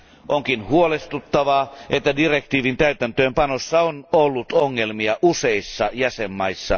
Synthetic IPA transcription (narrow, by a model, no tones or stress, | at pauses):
ʔoŋkinhuolest̪ut̪ːɑʋɑʔet̪ːædirekt̪iːʋint̪æyt̪ænt̪øːmpɑnosːɑonolːut̪oŋːelmiɑʔuseisːɑjæsemːɑisːɑ̰